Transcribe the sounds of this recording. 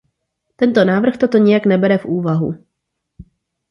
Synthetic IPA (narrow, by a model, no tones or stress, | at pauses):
t̪ɛnt̪o̞naːvr̩xt̪o̞t̪o̞ɲɪjaknɛbɛɾɛfʔuːvaɦṵ